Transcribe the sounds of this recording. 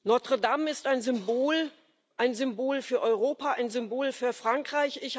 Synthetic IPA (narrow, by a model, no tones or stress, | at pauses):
nɔɐtʁ̥ədamɪstaɪnzʏmboːl | ʔaɪnzʏmboːlfyːɐʔɔʏʁoːpaaɪnzʏmboːlfyːɐfʁ̥aŋkʁ̥aɪçɪç